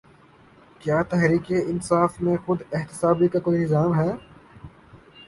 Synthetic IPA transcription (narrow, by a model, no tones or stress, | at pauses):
kjaːt̪ɛɦɾiːkeɪnsaːfmẽxʊd̪ɪɦht̪ɪ̥saːbikakoːinɪzaːmɦɛː